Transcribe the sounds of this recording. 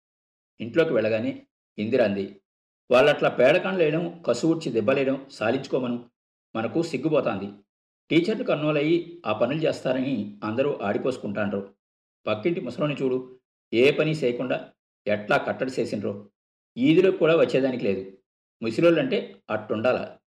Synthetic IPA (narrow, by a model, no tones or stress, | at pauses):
iɳʈlo̞ːkiʋɛɭːɐɡaːneː | ind̪iɾɐnd̪i | ʋaːɭːɐʈlaːpɛːɽɐkaːɳlɛːjiɽɐmkɐsuʋuʈt͡ʃid̪ɛbːɐlɛːjɽɐmsaːliɲt͡ʃu̥kɔːmɐnu | mɐnɐkusiɡːubɔːt̪aːnd̪i | ʈiːt͡ʃɐɾnukɐnːuːlɐjiaːpɐnulut͡ʃeːst̪aːɾɐniɐnd̪ɐɾuːʔaːɽiko̞ːsu̥kuɳʈaːnɾoː | pɐkːiɳʈimusɐloːnit͡ʃuːɽu | eːpɐniseːjɐkuɳɖaː | ɛʈlaːkɐʈːɐɽut͡ʃeːsinɾoː | iːd̪iloːkuːɽaːʋɐt͡ʃːɛːd̪aːnik̬ile̞ːd̪u | musiloːlɐɳʈe̞ːɐʈːuɳɖaːla̰ː